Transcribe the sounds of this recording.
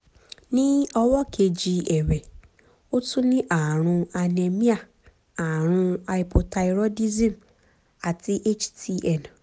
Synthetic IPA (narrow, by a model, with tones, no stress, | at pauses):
nĩ˦ɔ˧wɔ˦kʰe˧d͡ʒi˧ɛ˨ɾɛ˨ | o˦tũ˦nĩ˦ʔa˦˨ɾ̃ũ˧a˧ne˧mĩ˦a˦˨ | a˨ɾ̃ũ˧a˧i˧˨pʰo˧ta˧i˧ɾo˦di˦zĩ˦˨m̩ | a˨ti˦ʔe˦t͡ʃtʰi˧ɛ˨n˨